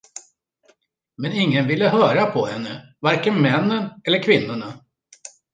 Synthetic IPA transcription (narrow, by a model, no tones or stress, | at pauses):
mɛnɪŋːənvɪlːəɦœːɾapʰɔhɛnːəvaɾkənmɛnːənɛlːəɾkʰvɪnːʊɳa